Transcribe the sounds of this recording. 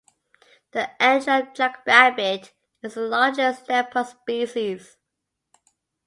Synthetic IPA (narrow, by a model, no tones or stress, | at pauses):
ðiʔɛd͡ʒəd͡ʒak̚b̥æbɪt | ɪzəlɑːd͡ʒəstɛpʰəspiˑsiz̥